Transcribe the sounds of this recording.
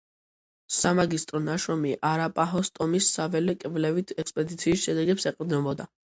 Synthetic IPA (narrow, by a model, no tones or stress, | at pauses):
samaɡist̪ʼɾɔnaʃɾɔmiʔaɾapʼaɦɔst̪ʼɔmisːavɛlɛkʼɛvlɛvit̪ʰɛkspʼɛd̪it̪sʰiːsʃɛd̪ɛɡɛpsɛqʼd̪nɛbɔd̪a